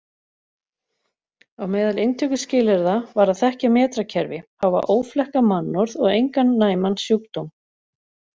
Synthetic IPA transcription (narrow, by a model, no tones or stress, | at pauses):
awmɛːðalɪnt̪ʰœkʏscɪːlɛɾðavaɾaðθɛhcamɛːt̪ɾacʰɛɾvɪhawva̰ʔoːwflɛhkamanːɔɾðɔɣejŋkanːaːjmansjuːkt̪owm